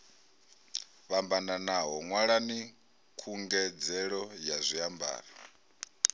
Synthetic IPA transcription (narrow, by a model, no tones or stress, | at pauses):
βambananaɦɔŋwaɺani | kʰuŋɡɛd͡zɛɺɔjazʷiamba̰ːɾa